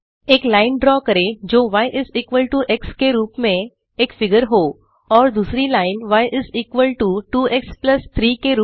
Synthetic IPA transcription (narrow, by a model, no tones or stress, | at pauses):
eklaɪnɖɾɔkəɾed͡ʑoʋajʔɪziːkʋəlʈuʔekskeɾuːpmẽ | eːkfɪɡəɾɦo | ɔːɾd̪uːsɾilaɪnʋajʔɪziːkʋəlʈuʈuːʔekspləst̪ʰɾiːkeɾuː